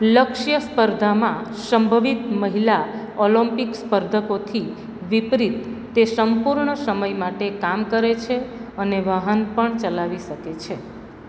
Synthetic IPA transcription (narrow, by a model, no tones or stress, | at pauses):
ləkʃjəspəɾd̪ʱamãsəmbʱəʋit̪məɦila | oləmpikspəɾd̪ʱəkot̪ʰi | ʋipɾit̪ː | esəmpuɾɳəsəməjmaʈekamkəɾet͡ʃʰeəneʋaɦənpəɳt͡ʃəlaʋiʃəket͡ʃʰe